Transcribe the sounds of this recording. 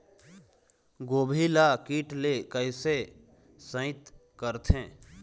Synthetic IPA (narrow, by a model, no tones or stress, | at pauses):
ɡoːbʱilakiːʈlekəɪse | sə̃ɪt̪ | kəɾt̪ʰẽː